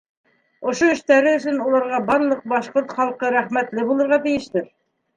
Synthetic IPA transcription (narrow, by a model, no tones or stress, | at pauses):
ŏʃoɵ̆ʃt̪æɾɘɵ̆s̬ɵnulˠɑɾʁɑbɑɾlˠɤq̚bɑʃqoɾt̪χɑlˠqɤɾæχmæt̪lɘbulˠɤ̆ɾʁɑt̪ɘ̆jɘ̆ʃt̪ɘɾ